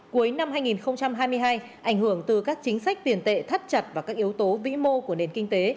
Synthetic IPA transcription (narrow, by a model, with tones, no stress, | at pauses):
ku˨˦əjna˧mɦaː˧jŋi˨˩nxə˧wŋ͡mt͡ɕa˧mɦaː˧jmɨ˧əjɦaː˧j | ʔa˧˩jŋ̟hɨ˧˩əŋt̪ɨ˨˩kaː˦˥k̚t͡ɕï˨˦ŋ̟sa˦˥jk̚t̪i˨˩ənt̪ḛ˧˨t̪ʰə˦˥t̚t͡ɕə˨˩t̚vaː˨˩kaː˦˥k̚ʔi˨˦əwt̪o˨˦vḭ˧˥mo˧ku˧˩əne˨˩nkï˧ŋ̟t̪e˨˦